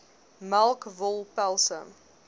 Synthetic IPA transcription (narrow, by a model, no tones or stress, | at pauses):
malˠkvəlˠpɛlˠsə̰m